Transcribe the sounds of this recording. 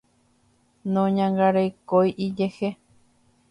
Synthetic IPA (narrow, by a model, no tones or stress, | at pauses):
nõɲãŋɡaɾejkojʔid͡ʒehe